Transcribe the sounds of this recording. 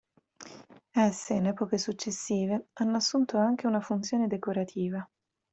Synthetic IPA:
ɛsːeinɛːpokesut͡ʃːesːiːveanːoasːunt̪oaŋk̟eunafunt̪sjoːned̪ekoɾat̪ʰiːva

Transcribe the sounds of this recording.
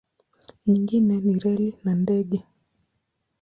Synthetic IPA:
ɲiŋɡinɛniɾɛlinandɛɠɛ

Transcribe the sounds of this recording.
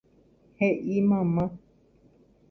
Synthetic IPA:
heʔimãmã

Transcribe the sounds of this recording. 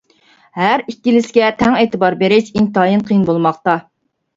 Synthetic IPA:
hæɾikʲːilɪsɡʲɛt̪ʰɛŋeːt̪ɨbɑɾbeɾɪʃint̪ɑːjinqʰijnbolˠmɑχt̪ɑ

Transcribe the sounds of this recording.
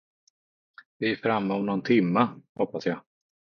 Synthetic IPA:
vɪɛfɾamːaɔmnɔnt̪ʰɪmːəhɔpːasjaː

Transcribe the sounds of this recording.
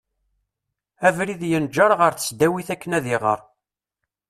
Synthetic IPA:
ævɾiðjənd͡ʒɑɾˤʁəɾθə̥sd̪æwiθækːənæðɪʁə̰ɾˤ

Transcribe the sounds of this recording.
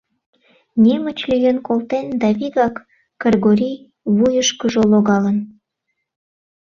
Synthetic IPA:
nʲemət͡ɕlyjənkolˠt̪end̪ɑβiɣɑkː | ərɣoɾʲij | βujəʃkəʒoloɣɑlən

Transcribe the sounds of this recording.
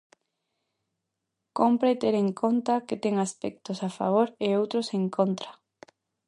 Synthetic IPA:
kompɾet̪eɾeŋkʰont̪aket̪eŋaspɛk̚t̪osafa̰β̞oɾeowt̪ɾoseŋkʰont̪ɾa

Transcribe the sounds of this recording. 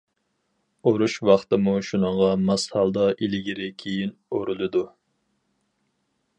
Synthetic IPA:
oɾuʃwɑχt̪ɨmuʃunəɴʁɑmɑshɑlˠd̪ɑʔilɪɡʲiɾɪkʲʰejinoɾulˠɨd̪u

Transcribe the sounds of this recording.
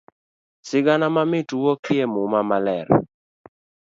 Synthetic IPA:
sɪɡanamamɪtuwɔkiɛmumamalɛɾ

